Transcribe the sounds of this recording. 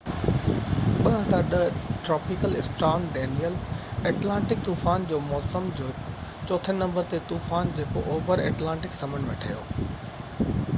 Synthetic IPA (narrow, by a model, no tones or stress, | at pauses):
ɓɐɦɐzaːɾɗəʈɾɔːpɪkəlɪsʈaːnɖeːnijəleːʈlãːɳʈɪk̚t̪uːfaːnd͡ʑoːmɔːsəmd͡ʑoːt͡ɕɔːt̪ʰənnɐ̃mbəɾt̪et̪uːfaːnd͡ʑeːko̰ʔoːʋəɾḛːʈlãːɳʈɪksɐmənʋḛːʈʰaːjoː